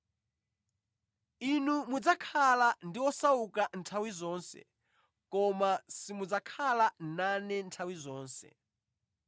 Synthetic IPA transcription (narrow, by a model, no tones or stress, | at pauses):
inumud͡zakʰalandiwɔsaukantʰawizɔːnsɛ̰ | kɔmasimud͡zakʰalananɛntʰawizɔːnsɛ̰